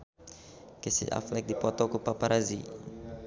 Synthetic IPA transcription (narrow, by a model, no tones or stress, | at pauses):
kesḭa̰flɛk̚d̪ipɔt̪ɔkupapaɾʔazḭ